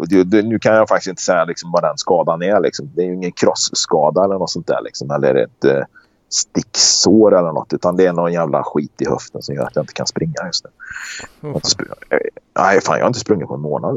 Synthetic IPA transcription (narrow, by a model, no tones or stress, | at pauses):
ɔd̪ɛd̪ɛnʉ̟ːkʰanjafak̚t̪ɪst̪ɪnt̪ə̥sɛjːalɪksɔmvad̪ɛnskɑːd̪anæɭɪ̰ksɔmd̪ɛːjɵɪŋːənkʰɾɔsːkɑːd̪aɛlːəɳɔt̪sɔnt̪d̪æ̰ɾɭʔɪ̰ksɔmɛlːəɛ̰ɾɛ̰t̪ | st̪ɪksoːɾɛlːəɳɔ̰t̪ːʉ̟ːt̪and̪ɛːnɔnjæːvla̰ɧiːt̪ɪhœft̪ənsɔmjœ̰ːɾat̪jaɪnt̪ə̥kʰa̰nspɾɪŋːajɵst̪nʉ̟ːjhaɪnt̪ə̥sp | æ̰jfa̰ːnj̰haɪnt̪əspɾɵŋːɪt̪̚pɔɛnmoːnad̪